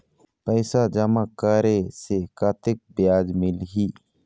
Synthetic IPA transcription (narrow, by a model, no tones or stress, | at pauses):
pəɪsad͡ʒəmakaːɾesekaːt̪ɪk̚bɪjaːd͡ʒmɪlɦiː